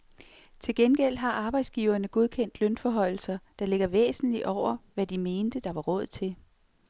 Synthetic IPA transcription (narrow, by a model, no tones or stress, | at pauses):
t͡sʰe̝lɡ̥enɡ̥el̰ɦɑ̈ʔɑ̈ːb̥ɑ̈ɪ̰d̥sɡ̥iːʊɐnəɡ̥oð̞ˠkʰen̰d̥lœnfɒɦɒ̽ɪ̰l̩sɐd̥ɑ̈le̝ɡ̥ɐʋḛːsn̩liʔɒʊ̰ɐʋæd̥ime̝ːnd̥əd̥ɑ̈ʋɑ̈ʁɔ̽ð̞̰ˠt͡sʰe̝l